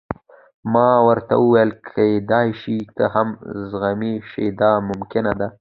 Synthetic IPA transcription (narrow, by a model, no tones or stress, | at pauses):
mɑwəɾt̪a̰wuwajəlkʰaed̪ɑjʃik̪əhamzɣamiʃed̪ɑmʊmkɪnad̪a